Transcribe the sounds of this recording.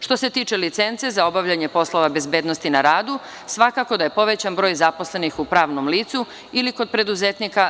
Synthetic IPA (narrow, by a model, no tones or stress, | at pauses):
ʃt̪o̞se̞t̪iːt͡ʃelit̪sent̪se̞zao̞baʋʎaɲe̞po̞sloʋabe̞zbe̞ːd̪no̞st̪inaɾaːd̪u | sʋakako̞d̪aje̞po̞ʋe̞t͡ɕanbɾo̞ːjzapo̞sle̞nixupɾaːʋnomliːt̪su | iliko̞d̪̚pɾe̞d̪uzet̪nika